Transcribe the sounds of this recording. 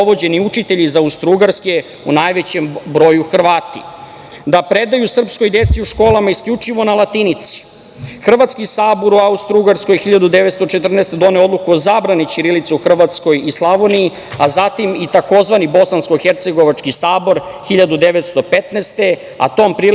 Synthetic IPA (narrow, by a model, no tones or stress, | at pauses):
poʋo̞d͡ʑe̞niut͡ʂit̪eʎizaːust̪ɾuːɡaɾske | ṵnaːjʋet͡ɕembɾo̞ːjuxr̩ʋaːt̪ḭ | d̪apɾed̪ajusr̩psko̞jd̪et̪siuʃko̞ːlamaiskʎut͡ʂiʋo̞nalˠat̪init̪si̥ | xr̩ʋat̪skisaːbo̞ɾuaust̪ɾuɡaɾskojxiʎad̪ud̪eʋet̪st̪o̞t͡ʃet̪r̩nɛst̪ed̪o̞neo̞d̪lˠukuozabɾanit͡ɕiɾilit̪seuxr̩ʋat̪sko̞jislˠaʋonii | azat̪imit̪ako̞zʋanibo̞sansko̞xeɾt̪seɡo̞ʋat͡ʃkisaːbo̞ɾ | xiʎad̪ud̪eʋet̪st̪o̞pet̪neːst̪e | a̰t̪oːmpɾiː